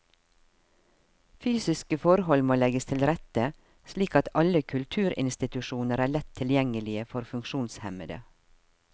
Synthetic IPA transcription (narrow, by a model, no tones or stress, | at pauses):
fyːsɪskəfɔɾhɔlmoːlɛɡəst̪ʰɪlɾɛt̪ə | sliːkɑt̪ɑləkʰʉlt̪ʰʉːɾɪ̰nst̪ɪt̪ʉʃuːnəɾæːɭɛt̪ʰɪljɛŋəlɪəfɔɾfʉŋkʃuːnshɛməd̪ə̰